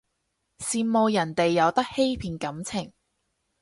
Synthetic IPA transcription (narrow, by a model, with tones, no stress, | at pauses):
siː˧nmo˨˧wjɐ˨˩nt̪e˨jːɐ˨˧wt̪ɐ˥k̚he˥jpʰiː˨˧nkɐ˨˥mt͡sʰɪ˨˩ŋ